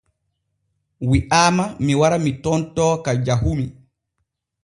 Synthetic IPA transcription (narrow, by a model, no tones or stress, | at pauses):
wiʔaːmamiwaɾamitɔntɔːkad͡ʒaɦumi